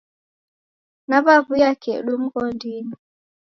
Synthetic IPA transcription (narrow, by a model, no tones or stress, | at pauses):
naβaβujakɛɗum̩kɔndini